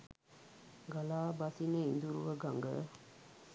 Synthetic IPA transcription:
ɡalaːbasinəind̪uɾuʋəɡaŋɡə̰

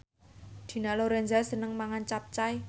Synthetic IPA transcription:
d̪̥i̤naloɾɛnd͡ʒasənəŋmaŋant͡ʃap̚t͡ʃaj

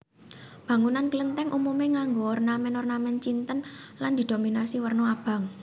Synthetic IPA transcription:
b̥ä̤ŋunankələnt̪ɛŋʔumumeŋaŋɡoːrnamɛnɔrnamɛnt͡ʃint̪ənland̪̥i̤d̪̥o̤minasiwərnoab̥a̤ŋ

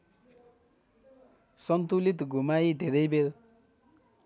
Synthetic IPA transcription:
sʌnt̪ulit̪ɡʱumajd̪ʱeɾʌjbel

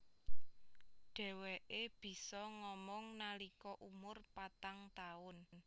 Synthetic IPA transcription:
ɖ̥ɛ̤weʔeb̥i̤sɔŋɔmɔŋnalikɔʔumʊrpat̪aŋt̪aʊnn

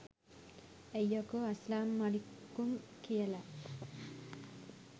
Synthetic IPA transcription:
ejːakuɐslaːmːalikːumkijəla

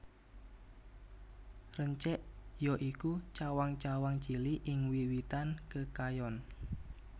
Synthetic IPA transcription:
rəɲt͡ʃɛʔjɔʔikut͡ʃawaŋt͡ʃawaŋ̥d͡ʒ̥iliʔɪŋwiwit̪ankəkajɔn

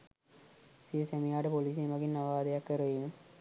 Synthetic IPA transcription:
siesemijaːʈəpoliːs̬enʋɐɡinːaʋaːd̪ejakːəɾəʋimə

